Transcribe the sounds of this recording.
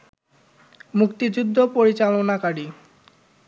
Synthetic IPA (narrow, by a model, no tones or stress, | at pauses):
mukt̪id͡ʑud̪ʱːopoɾit͡ɕalonakaɽi